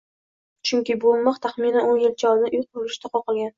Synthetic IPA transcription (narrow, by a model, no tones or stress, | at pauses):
t͡ʃʰʊŋkʲɪbolˠmɒqt̪ʰaχminanonjɪlt͡ʃʰɒd̪ɪnjubolɪʃt̪ʰaqʰɒqɨlˠɡʲan